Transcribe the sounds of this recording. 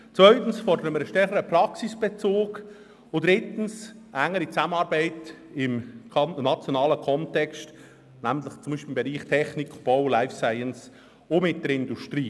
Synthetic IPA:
t͡svœʏtn̩sfɔɾdəɾəməɾəʃtɛɾχəɾəprɑksisb̥et͡soːɡ | ʊd̥ɾɪtn̩s | ʔæŋːəɾit͡sæmənɑːɾbæɪt | ɪmkʰnɑt͡sjonɑːləkʰɔntɛkst | næməntlɪχt͡sʊmbiːʃpilɪmbeɾiːχtʰɛχnikʰb̥ɔʊlaɪfsaɪəns | omɪt̚d̥əɾɪndustɾiː

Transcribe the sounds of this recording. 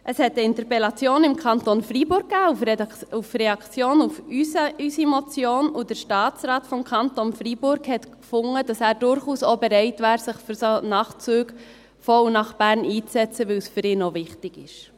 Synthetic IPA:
ʔəshɛtəɪntəɾpɛlɑt͡sjoːnɪmkʰɑntonfribʊɾk̚kːæːuufrɛɑkt͡sjoːnufysysimot͡sjoːnud̥əɾʃtɑːt͡sɾɑːtfɔmkʰɑntonfribʊɾɡhɛtkfʊŋːəd̥ɑsæːɾdʊɾχuːsobɛɾɛɪtvæːɾsɪχfyɾsonɑːχt͡syːɡ | fɔunɑχb̥æːɾniːt͡sɛt͡səʋɪwsfʏɾɪːnovɪχtɪɡɪʃ

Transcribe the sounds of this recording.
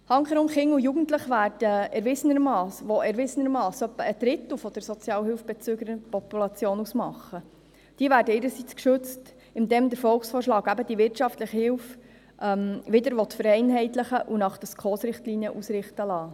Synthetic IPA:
hɑŋχəɾʊnχɪŋujuɡn̩tləχʋæːrd̥əɛɾʋɪsənəɾmɑːsʋɔʔɛɾʋɪsənəɾmɑːsœpːəːd̥ɾɪt̪əl̩ˠfɔd̥əɾsɔt͡sjɑːlhɪlfb̥ɛt͡søːɡəɾəpɔpulɑt͡sjoːnusmɑχːə | d̥iəvæːɾdəɪːɾəsit͡skʃʉt͡st | ɪmd̪ɛːmd̪əɾfɔlˠksfoːʃlɑːɡæbəd̥̪iʋɪrtʃɑftləχəhɪlf | ʔɛmʋɪd̪əɾʋɔt̪fəɾɛɪnɦɛɪt̪ləχəʔunɑχd̥̪əskχoːsɾɪχtliːniəʔusɾɪχt̪əlɑː

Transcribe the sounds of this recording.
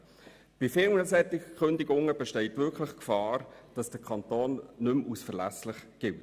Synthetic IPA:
b̥ifɪlnəsɛt̪ɪχʏndɪɡʊŋəb̥ɛʃtɛɪtʋʏɾkʰlɪχkfɑːɾd̥ɑsd̥əkʰχɑnt̪oːnːʏmʔusfəɾlæslɪχɡ̥ɪlt

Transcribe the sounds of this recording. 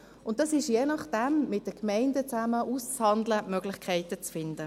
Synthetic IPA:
ʊnt̚d̥ɑsɪʃjeːnɑχd̥ɛmmɪt̚d̥əkmɛɪndət͡sæməʔust͡shɑndləmœɡlɪχkʰɛɪtət͡sfɪndə

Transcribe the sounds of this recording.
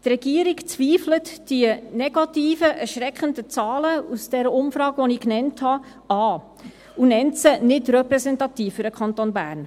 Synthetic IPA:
t̪rɛɡ̥iəɾikt͡sʋiːflətd̥iənɛɡɑtiːfəʔɛɾʃɾɛkχəndət͡sɑːləusd̥ɛɾəʊmfɾɑːkʋɔniknɛnthɑ | ɑː | unɛntsənɪtrɛpɾɛsɛntɑtiːfːʏɾdəkʰχɑntonbæ̰ːɾn

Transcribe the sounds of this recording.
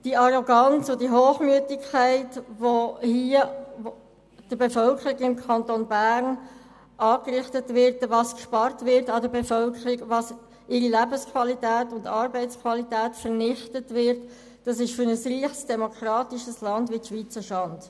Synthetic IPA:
d̥iɑɾoɡɑnt͡sʊdiɦoːχmyətɪkʰːæɪtʋohiːəo | d̥əɾbefœlkəɾiɡɪmkʰɑntonbæːɾn | ʔɑːkrɪχtətʋɪɾtvɑskʃpɑɾtʋɪɾtɑdəbefœlkʰəɾiɡʋɑs | ɪɾilæbəskʰʋɑlitæːtʊndɑːɾbɛɪt͡skʰvwɑlitæːtfəʁnɪχtətʋɪɾt | d̥ɑsɪʃfʏɾnəsriːχsd̥ɛmokʰɾɑːtiʃəslɑndʋiʃʋit͡səʃɑnd̥

